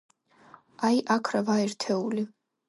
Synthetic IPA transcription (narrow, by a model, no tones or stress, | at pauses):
ajʔakʰɾavaɛɾt̪ʰɛuli